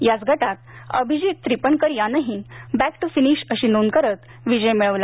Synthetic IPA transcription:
jat͡sɡʱəʈat̪̚əbʱid͡ʑit̪t̪ːɾipəɳkəɾjanəɦĩbæk̚ʈufiniɕəɕiːnonkəɾət̪ | ʋid͡ʑəjmiɭəʋla

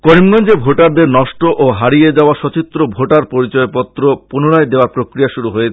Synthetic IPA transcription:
koɾimɡɔnd͡ʑebʱoʈaɾd̪eɾnɔʃʈoʔoɦaɾijed͡ʑaoaʃɔt͡ɕit̪ɾobʱoʈaɾpoɾit͡ɕɔepɔt̪ːɾopunoɽaed̪eoaɾpɾokɾijaʃuɾuɦoe

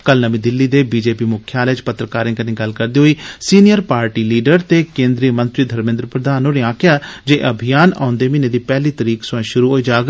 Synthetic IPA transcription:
kəlnəmĩːd̪ɪlːiːd̪eːbiːd͡ʒeːpiːmʊkʰːjaːlɛːt͡ʃpət̪ːɾəkaːɾẽːkənĩːɡəlkəɾd̪iːɦoːiːsiːnɪjəɾpaːɾʈiːliːɖəɾt̪eːkẽːnd̪ɾiːəmə̃nt̪ɾiːd̪ʱəɾmɪ̃nd̪ɾəpɾəd̪aːnõːneːãːkʰjaːd͡ʒeːʔəbʱijaːnã̰ːʊ̃nd̪eːmɪnẽːd̪iːpɛːliːt̪əɾiːksʊãʃʊɾuːɦoːiːd͡ʒaːɡ

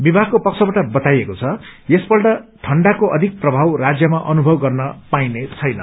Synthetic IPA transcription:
bibʱaɡ̚kopʌkt͡sʰʌbaʈʌbʌt̪ajekot͡sʰʌjesbʌlɖʌʈʰʌɳɖakoʔʌd̪ʱik̚prʌbʱawrad͡zjʌmaʔʌnubʱʌbɡʌrnʌpajnet͡sʰʌjnʌ̰

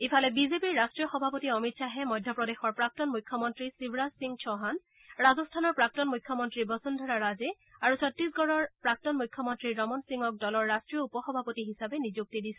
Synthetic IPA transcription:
ipʰalɛbizepiɹːastɹijɔxɔbʱapotiɔmitsaɦɛmɔjdʱjɔpɹɔdexɔɹpɹak̚tɔnmujkʰːjɔmɔntɹisibʱɹasiŋt͡ʃʰɔɦan | ɹazɔstʰanɔɹpɹak̚tɔnmujkʰːjɔmɔntɹibɔsundʱɔɹaɹazɛ | aɹusʰɔtɹis̬ɡɔɹɔɹpɹak̚tɔnmujkʰːjɔmɔntɹiɹɔmɔnsiŋɔk̚dɔlɔɹːastɹiɔupɔxɔbʱapotiɦisabɛnizuk̚tidisɛ

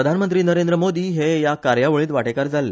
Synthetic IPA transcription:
əd̪ʱanmənt̪ɾiːnəɾend̪ɾəmod̪iːɦejakaɾjaʋəɭiːt̪ʋaʈekaɾd͡zalːe

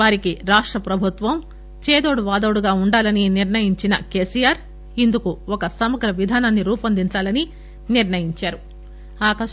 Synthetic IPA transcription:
ʋaːɾikiɾaːʂʈɾɐpɾɐbʱut̪ʋɐm | t͡ʃeːd̪o̞ːɽuʋaːd̪oːɽuɡaːuɳɖaːlɐniniɾnɐjiɲt͡ʃinɐke̞ːsijaːɾ | ind̪ukuɔkɐsɐmɐɡɾɐʋid̪ʱaːnɐnːiɾuːpɐnd̪iɲt͡ʃaːlɐni | niɾɳɐjiɲt͡ʃaːɾu | aːkɐ

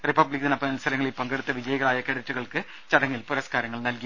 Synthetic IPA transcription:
ripɐblikːt̪inɐpːɐnɐlst̪ʰɐlɐŋːɐɭelpɐŋɡeɽut̪ːɐʋid͡ʑɐjɐɣɐɭaːjɐkeɽɐtːuɣɐɭkɨ | t͡ɕɐɽɐŋːilpuɾɐskaːɾɐŋːɐɭnɐlki

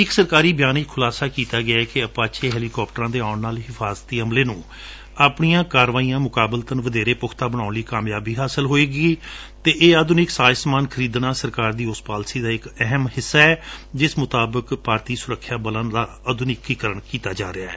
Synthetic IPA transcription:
ɪksəɾkaːɾiːbjaːnɪkkʰʊlaːsaːkiːt̪aːɡɪakeəpaːt͡ʃʰeːɦɛːliːkɔːp̚ʈəɾãːd̪eːaʊɳnaːlɦɪfʰaːzət̪ːiːəmleːnũː | aːpɳijãːkaːɾʋaːijãːmʊkaːbəlt̪ənʋəd̪eːɾeːpʊkʰt̪aːbəɽ̃ãːʊnliːkaːmjaːbiːɦaːsəlɦoːeːɡiː | t̪eːʔeːəd̪ʊnɪksaːjsmaːnkʰəɾiːd̪nãːsəɾkaːɾd̪iːʊspaːlsiːd̪aːɪkɛɦəmhɪsːaːɛːd͡ʒɪsmʊt̪aːbəkpaːɾt̪iːsʊɾəkʰːjaːbələ̃nd̪aː | əd̪ʱʊnɪkːiːkəɾəɳkiːt̪aːd͡ʒa̰ːɾeaːɛː

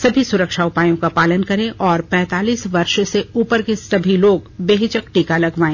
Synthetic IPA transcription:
sɐbʱisʊɾəkʃaʊpaːjõkapaːlənkɐɾẽʔɔːɾpɛ̃ːt̪aːliːsʋɐɾʃseuːpəɾkesɐbʱiloːɡbeːɦɪt͡ʃək̚ʈiːkalɐɡʋaːẽː

